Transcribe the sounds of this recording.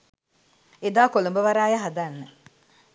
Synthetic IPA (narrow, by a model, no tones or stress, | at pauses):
ed̪aːkolumbəʋaɾaːjəɦad̪anːə